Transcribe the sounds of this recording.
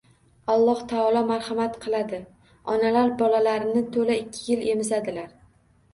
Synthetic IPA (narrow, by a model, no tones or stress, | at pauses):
ɒlˠːɒht̪ʰaɒlˠɒmaɾhamat̪qʰɨlˠad̪ɪ | ɒnalaɾbɒlalaɾɪnɪt̪ʰolaɪkʲʰːɪjɪle̞mɪzad̪ɪlaɾ